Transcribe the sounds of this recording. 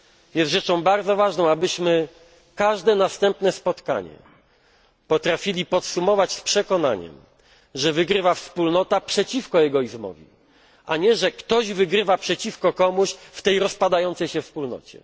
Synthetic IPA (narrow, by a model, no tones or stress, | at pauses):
jɛst̪ʐɛt͡ʂɔ̃w̃baɾd̪zɔvaʐnɔ̃w̃abɘɕmɘ | kaʐd̪ɛnast̪ɛmpnɛspɔt̪ka̰ɲɛ̰ | pɔt̪ɾafʲilʲipɔt̪sumɔvat͡ɕspʂɛkɔna̰ɲɛ̰m | ʐɛvɘɡɾɘvafspulnɔt̪apʂɛt͡ɕifkɔjɛɡɔizmɔ̰vʲḭ | a̰ɲɛʐɛkt̪ɔʑvɘɡɾɘvapʂɛt͡ɕifkɔkɔmuɕft̪ɛjɾɔspad̪ajɔnt̪sɛjɕɛfspulnɔ̰t͡ɕɛ̰